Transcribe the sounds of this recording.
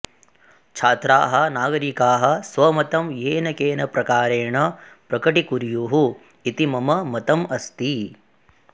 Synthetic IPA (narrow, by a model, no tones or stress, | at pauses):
t͡ʃʰaːt̪ɾaːɦɐ̆naːɡɐɾikaːɦɐ̆sʋɐmɐt̪ɐmjeːnɐkeːnɐpɾɐkaːɾeːɳɐpɾɐkɐʈikuɾjuːɦu | it̪imɐmɐmɐt̪ɐmɐst̪i